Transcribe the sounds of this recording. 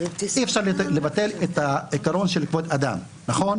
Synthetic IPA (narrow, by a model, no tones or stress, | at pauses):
ʔiefʃaʁllevat̪e̞let̪aikaɾo̞nʃelikvot̪ad̪a̰m | naχo̞n